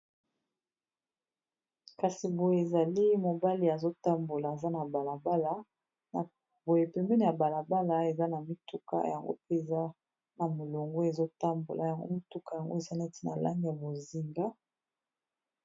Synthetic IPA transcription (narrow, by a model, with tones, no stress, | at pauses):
ka˨si˨bo˨je˨e˨za˨li˦mo˨ba˦li˨˦a˨zo˦ta˦mbo˨la˨e˨za˦na˨ba˨la˨ba˦la˦ | na˨ | bo˨je˨pɛ˨mbɛ˦ni˨ja˨ba˨la˨ba˦la˦e˨za˦na˨mi˦tu˦ka̰˦ja˨ŋɡo̰˦pe˦e˨za˦ | na˨mo˨lo˨ŋɡo˦e˨zo˦ta˦mbo̰˨lʔa˨ja˨ŋɡo̰˦mi˦tu˦ka˨ja˨ŋɡo˦e˨za˦nɛ˦ti̥˦na˨la̰˦ŋɡi˨ja˨bo˨zi˨ŋɡa˦